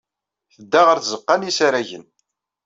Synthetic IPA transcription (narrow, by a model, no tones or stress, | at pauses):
θəd̪ːæʁəɾθzəqːɑnisaɾæʝən